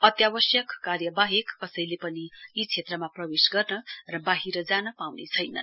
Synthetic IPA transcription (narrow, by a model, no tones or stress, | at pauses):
ʌt̪jabʌsjʌkːarjʌbaɦekːʌsʌjlepʌniit͡sʰet̪rʌmaprʌbesɡʌrnʌrʌbaɦiɾʌd͡zanʌpawnḛt͡sʰʌjnʌ̰